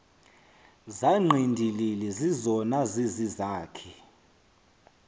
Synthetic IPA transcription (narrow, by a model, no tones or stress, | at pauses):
zaŋ͡ǃʱindʱililɛzizɔnazizizaːkʰɛ